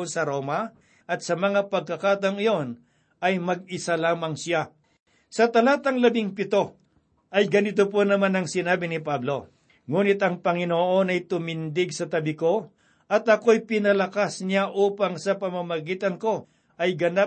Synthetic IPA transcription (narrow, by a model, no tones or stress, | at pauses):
onsɐɾo̞ːmɐ | ʔɐt̪̚sɐmɐŋapɐɡ̚kɐkaːt̪ɐŋɪjo̞n | ʔɐjmɐɡ̚ɪsalaːmɐŋsɪa | sɐt̪ɐlaːt̪ɐŋlɐbɪŋpɪt̪o̞ | ʔɐjɡɐnɪt̪opo̞nɐmanɐŋsɪnaːbɪnɪpablo̞ | ŋuːnɪt̪ɐŋpɐŋɪnoʔo̞nɐjt̪ʊmɪnd̪ɪɡsɐt̪ɐbɪko̞ | ʔɐt̪ɐko̞jpɪnɐlɐkasnaʔuːpɐŋsɐpɐmɐmɐɡiːt̪ɐnko̞ | ʔɐjɡɐna